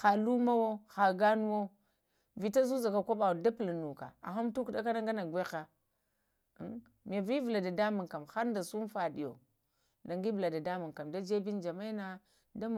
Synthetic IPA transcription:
xa˨lu˦ma˦wo˦xa˨ɡa˦nu˦wo˦ | vi˨ta˦zu˦za˨ka˨kʷa˦ɓa˨wda˦plnu˨ka̰˨a̰˨ɦa˦mtu˦kɗa˦ka˦na˦ŋɡa˦na˨ɡwe˦xa˨˦ | mi˨ja˨vi˦vi˨la˨da˨da˦mu˨ŋka˨mxa˦ɾnda˨su˦m˦fa˨ɗi˨jo̰˨ | na˨ŋɡi˦vla˨da˨da˦mu˨ŋka˨mda˦d͡ʒe˦bi˦nd͡ʒa˨ma˦na˦ | da˦m˨

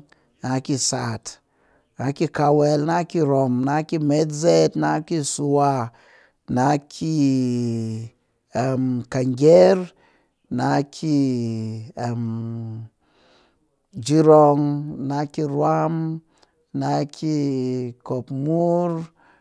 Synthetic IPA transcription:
na˨˦ki˧sa˨t | na˨˦ki˦ka˧wɛ˧lna˦ki˦ɾo˨mna˧˦ki˦me˦tze˦tna˧˦ki˦su˧wa˧ | na˧˦kʰi˦ | a˨mka˨ŋɡʲe˦ɾ | na˧˦kʰi˦˧ | a˨m | d͡ʒi˦ɾo˧ŋna˧˦ki˧ɾwa˦m | na˧˦kʰi˧ko˨pmu˦ɾ

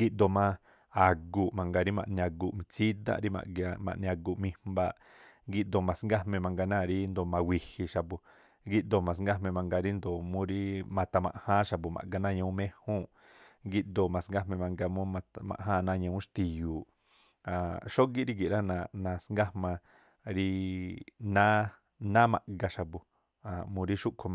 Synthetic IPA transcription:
ɡi˧ʔd̪o˧˨mã˧ | a˨ɡu˧˨ʔmã˨ŋɡa˧ɾi˦mã̰˧˨ʔnĩ˧ã˧ɡu˧˨ʔmĩ˧t͡si˦d̪ã̰˧ʔɾi˦mã̰˨ʔɡa˧mã̰˨ʔñ˧a˧ɡu˧˨ʔmĩ˧mmba˧˨ʔ | ɡi˧ʔd̪o˧˨mã˨sŋɡa˦hmẽ˧mã˧ŋɡa˧nã˦˨˧ɾi˦nd̪o˧˨mã˧wʷi˧hi˧ʃa˨bu˨ | ɡi˧ʔd̪o˧˨mã˨sŋɡa˦mẽ˧mã˧ŋɡa˧ɾi˦nd̪o˨mũ˦ɾi˦mã˧t̪a˧mã̰˧˨ʔhã˦ʃa˧p̬u˨mã̰˨ɡa˧nã˦˨ɲã˧ũ˦mẽ˦hũ˦˨ʔ | ŋɡi˧ʔ̪d̪o˧˨mã˨sŋ˦ɡa˦mẽ˧mã˧ŋɡa˧mũ˦mã˧mã̰˨ʔɦã˦˧nã˦ɲã˧ũ˦ʃt̪i˧juː˨ | ã˨ʃo˦ɡi˦ɾi˦ɡi˨ɾã˦nã˧nã˧sŋɡa˦hmã˧ | ɾi˧ | nã˦ | nã˦mã̰˧ʔɡa˧ʃa˨bu˧ | a˨mũ˧ɾi˦ʃu˦ʔkʰo˧

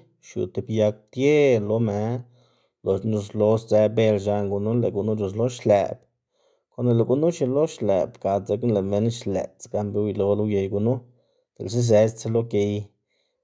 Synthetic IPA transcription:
ʃṵ˨t̪e˨bja˧k̚t̪je˦lo˧me˨˦ | lo˨ʃnu˧slo˧˦sd͡ze˧˦be˧lʃa˧ŋɡu˧nu˦le˨ɡu˧nu˦lu˧slo˦ʃlḛ˨b̚ | ko˧˦ne˧le˨ɡu˦nu˦ʃi˧lo˦ʃlḛ˨bka˨ze˧knle˨me˦nʃlḛ˨t͡sɡa˧mbe˧˦wjlo˧˦lo˦je˧jɡu˧nu˦ | d̪̥e˨ls̬e˦s̬e˧˦st͡se˦lo˦ke˧j

